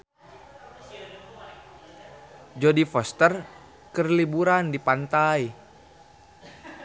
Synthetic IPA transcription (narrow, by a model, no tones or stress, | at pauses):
d͡ʒɔdifɔst̪ər | kərlibuɾandipant̪aj